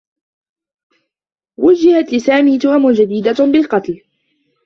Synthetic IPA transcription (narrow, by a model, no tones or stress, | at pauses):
wʊd͡ʒːɪhat̪lɪsaːmiːt̪ʊʔamʊnd͡ʒad̪iːd̪abɪlqɑt̪l